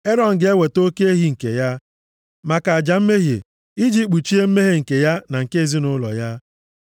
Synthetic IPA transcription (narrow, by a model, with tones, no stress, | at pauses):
e˦ɾɔ˨n̩˨ɡɪ˨˦e˦we˨to˦ke˦e˦ɦi˨˦ŋ̩˨kḛ˨ja˦ | ma˨ka˨a˨d͡ʒa˨m̩˦me˦ɦḛ˨ | i˦d͡ʒi˦k͡pu˨t͡ʃi˦e˦m̩˦me˦ɦe˦ŋ̩˨ke˨ja˦na˨ŋ̩˨ke˦e˨zi˦nʊ˦lɔ̰˨ja˦